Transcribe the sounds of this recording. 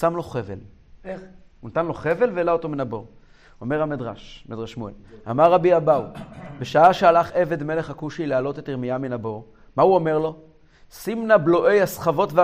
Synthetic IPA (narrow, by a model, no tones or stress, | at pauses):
samlo̞χevel | unat̪anlo̞χe̞ve̞lveːlaot̪o̞minabo̞ʁ | ome̞ʁamidʁaʃmed̪ʁaʃmuḛla̰maʁːabiabawbe̞ʃaaʃealaχe̞ve̞d̪me̞leχakuʃilealo̞t̪etiʁmiaminabo̞ʁ | mauome̞ʁlo̞ | simnablo̞ʔe̞jasχavo̞tve